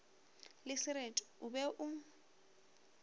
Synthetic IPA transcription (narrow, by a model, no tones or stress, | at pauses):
lɪsɪɾetʼʊbɛʔʊ